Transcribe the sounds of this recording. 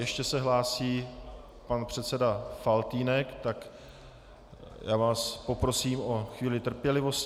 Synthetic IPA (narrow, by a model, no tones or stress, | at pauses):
jɛʃcɛsɛɦlaːsiː | panpr̝̥ɛt̪sɛdafalt̪iːnɛkt̪ak | jaːvaːspo̞pɾo̞siːmo̞xviːlɪt̪r̩pjɛlɪvo̞s